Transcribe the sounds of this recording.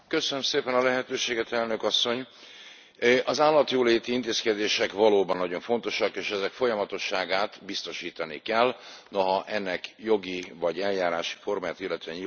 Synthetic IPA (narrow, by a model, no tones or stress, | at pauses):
køsønømseːpɛnɒlɛɦɛt̪øːʃeːɡɛt̪ɛlnøkɒsːo̞ɲ | ʔɒzaːlːɒt̪joːleːt̪iint̪eːskɛd̪eːʃɛkʋɒloːbɒnːɒɟo̞ɱfo̞nt̪o̞ʃɒkeːʃɛzɛkfo̞jɒmɒt̪o̞ʃːaːɡaːt̪bist̪o̞ʃiːt̪ɒnḭkɛlːnoɦɒʔɛnːɛkjo̞ɡivɒɟɛljaːɾaːʃi̥fo̞rmaːjaːt̪ilːɛt̪øɛɲi